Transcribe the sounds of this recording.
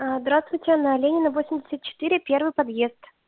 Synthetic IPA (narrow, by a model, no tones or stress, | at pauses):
azd̪ɾast̪vʊjtʲɪnalʲenʲɪnəvosʲɪmʲdʲɪsʲət̪̚t͡ɕɪ̥t̪ɨɾʲɪpʲervɨjpɐd̪je̞st̪